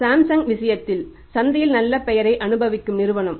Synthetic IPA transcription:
saːmsɐŋʋɪsɐjɐt̪ːɪl | sɐnd̪ɐjɪlnɐlːɐpɛjɐɾɐɪʔɐnɯbɐʋɪkːɯmnɪɾɯʋɐɳɐm

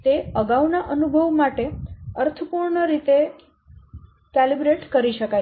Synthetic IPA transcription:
t̪eəɡaʋnaʔənubʱəʋmaʈeəɾt̪ʰəpuɾɳəɾit̪e | kelibɾeʈkəɾiʃəka

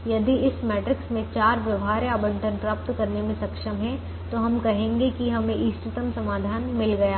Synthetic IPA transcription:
jɐd̪iɪsmɛːʈɾɪksmẽt͡ʃaːɾʋjɐʋɦaːɾjaːbə̃ɳʈə̃npɾaːp̚t̪kɐɾnemẽsɐkʃəmɦɛ̃ | t̪oɦɐmkɐɦẽːŋɡekiɦɐmẽʔiːst̪ɪt̪əmsɐmaːd̪ʱaːnmɪlɡɐjaː

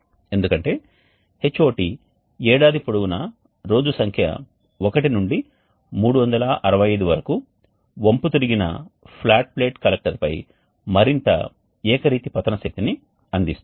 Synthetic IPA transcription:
e̞nd̪ukɐɳʈe̞ː | he̞t͡ʃːo̞ːʈi | ɛːɽaːd̪ipoɽuɡunɐ | ɾo̞ːd͡ʒusɐŋkʰjɐ̰ | okɐʈinuɳɖi | muːɽuʋɐnd̪ɐlɐʔɐɾɐʋɐjɐjd̪uʋɐɾɐku | ʋomput̪iɾiɡinɐ̰pʰlaːʈ̚ple̞ːʈkɐlek̚ʈɐɾpɐj | mɐɾint̪ɐ̰ | ɛːkɐɾiːt̪ipɐt̪ːɐnɐʃɐk̚t̪ini | ɐnd̪ist̪

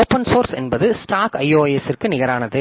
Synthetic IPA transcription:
oːpɐnsoːɾsɛnbɐðɯsʈaːkɐɪjoːjɛsɪrkɯnɪɣɐɾaːnɐðɯ

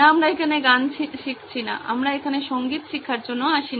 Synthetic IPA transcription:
aamɾaekʰaneɡant͡ɕʰiʃikt͡ɕʰina̰ʔa̰mɾaekʰaneʃoŋɡit̪ʃikʰːaɾd͡ʑonːoaʃin

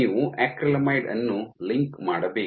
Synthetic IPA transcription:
iːʋuʔɛːkɾɐlɐmɐjɖɐ̰nːuliŋkmaːɽɐbeː

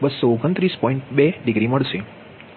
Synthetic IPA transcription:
bəsːoːɡənt̪ɾispɔ̃iɳʈbeɖɪɡɾiməɭʃe

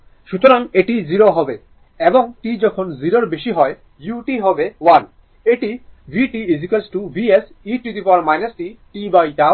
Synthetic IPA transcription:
ʃut̪oɾaŋeʈiziɾoɦɔbe | eboŋʈid͡ʑɔkʰonziɾoɾbeʃiɦɔe | juʈiɦɔbewan | eʈibʱiʈiizikelsʈubʱies | iʈit̪ipaɾmajnasʈiʈibajʈa

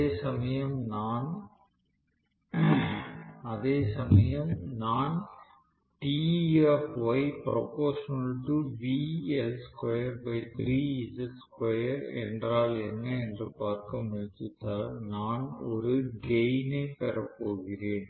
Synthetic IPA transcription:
eːsɐmɐjɐmnaːn | ɐðeːsɐmɐjɐmnaːn | ʈiɛfʋɐɪpɾɐ̰poːʂɐnʈːɯʋiːɛlskwɐjɐɾbɐɪt̪ɾiːɪsɛskwɐjɐɾɛ̰ndraːlɛnːɐɛndrɯpaːɾkɐmʊɻɪt͡ʃɯt̪ːaːlnaːnɔɾɯɡeɪneɪpɛɾɐpːoːɣɪreːn

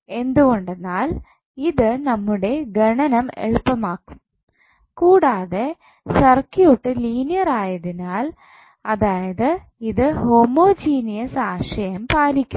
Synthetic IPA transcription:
e̞nd̪uɣo̞ɳɖe̞nːaːl | iðɨnɐmːuɽe̞ɡɐɳɐnɐme̞̰ɭupːɐmaːkːu̥m | kuːɽaːðe̞ | sɐrkijoʈːɨliːnijɐraːjɐðinaːl | ɐðaːjɐðɨ | iðɨho̞mo̞ːd͡ʑiːnijɐsaːʂɐjɐmpaːlikʲːum

